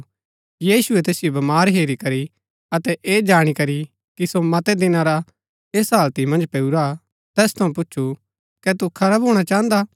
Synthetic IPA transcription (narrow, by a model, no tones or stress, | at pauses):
jiːsʊɛt̪eːsijobɐmaːɾɦeːɾikɐɾi | ɐt̪ɛʔeːd͡ʒaːɽ̃ikɐɾi | kisomɐt̪ɛd̪ɪnaɾa | eːsɦaːlt̪imɐ̃nd͡ʒpɛːuɾa | t̪ɛːst̪ʰɐũp̬ʊtːʃʰu | kɛt̪ukʰɐɾaːbɦoːɽ̃at͡ʃaːə̃nd̪a